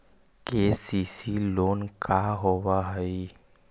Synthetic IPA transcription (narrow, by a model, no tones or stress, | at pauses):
keːsiːsiːloːnkʰaɦoʋaɦəi